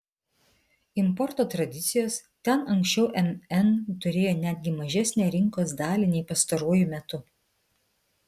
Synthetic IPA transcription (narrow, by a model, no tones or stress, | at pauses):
ɪmpɔɾt̪oːt̪ɾɐd̪ʲɪt̪sʲɪjoːst̪ʲɛnɐŋksʲt͡ʃʲɛʊʔɛmɛnt̪ʊɾʲeːjoːnʲæːd̪ʲɡʲɪmɐʒʲæsʲnʲɛːɾʲɪŋkoːs̬d̪ɑːlʲɪnʲɛɪpɐst̪ɐɾoːjʊmʲɛt̪ʊ